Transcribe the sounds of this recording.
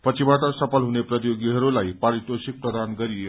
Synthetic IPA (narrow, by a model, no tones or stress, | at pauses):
pət͡ɕibaʈəsəpəlɦunepɾət̪joɡiɦəɾulajpaɾit̪osik̚pɾəd̪ʱanɡəɾi